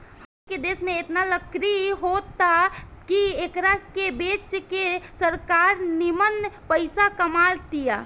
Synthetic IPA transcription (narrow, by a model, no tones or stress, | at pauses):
həked̪esmẽet̪naləkɾiɦot̪akiekɾakebet͡ʃkesəɾkaɾnimənpəɪsakəmalt̪ija